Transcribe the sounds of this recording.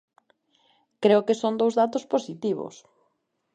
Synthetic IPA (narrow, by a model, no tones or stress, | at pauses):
kɾeʊkɪsond̪owzðat̪ʊsposit̪iβʊ̰s